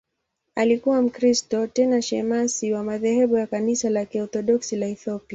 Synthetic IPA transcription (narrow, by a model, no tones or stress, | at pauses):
alikuwam̩kɾistɔtɛnaʃɛmasiwamaðɛhɛɓujakanisalakiɔθɔɗɔksilaiθɔpia